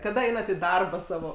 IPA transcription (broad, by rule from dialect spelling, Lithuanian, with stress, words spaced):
kɐˈdɐ ˈɛɪnɐt iː ˈdɐrbɑː ˈsɑːʋoː